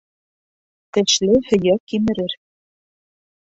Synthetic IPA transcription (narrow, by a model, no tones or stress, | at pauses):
t̪ɘ̆ʃlɘhɵ̆jækːimɘ̆ɾɘɾ